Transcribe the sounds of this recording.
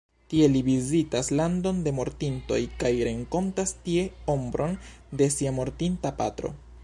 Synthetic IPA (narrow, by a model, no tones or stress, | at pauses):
tie̞livizitaslando̞nde̞mo̞ɾtinto̞̰jkajɾe̞ŋko̞ntastie̞o̞mbɾʔo̞n | de̞siamo̞ɾtintapa̰tɾo̞̰